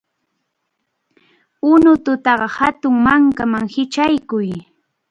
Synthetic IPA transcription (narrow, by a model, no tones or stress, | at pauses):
ʊnʊt̪ʊt̪ɑɢɑhat̪ʊŋmaŋkamaŋhɪt͡ʃajkʊj